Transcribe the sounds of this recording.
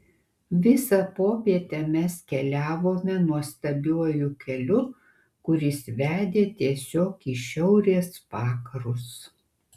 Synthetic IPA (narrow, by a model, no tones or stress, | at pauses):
ʋʲɪsɐpoːpʲiɛt̪ʲɛmʲɛskʲɛlʲæːʋoːmʲɛnuɔst̪ɐbʲuɔjʊkʲɛlʲʊ | kʊɾʲɪsʋʲæːd̪ʲeːt̪ʲiɛsʲoːkiːʃʲɛʊɾʲeɛspɑːkɐɾʊs